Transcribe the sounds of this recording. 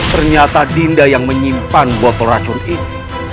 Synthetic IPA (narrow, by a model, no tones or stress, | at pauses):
t̪ərɲat̪adindajaŋməɲimpanbuat̪oɾḁt͡ʃʊnin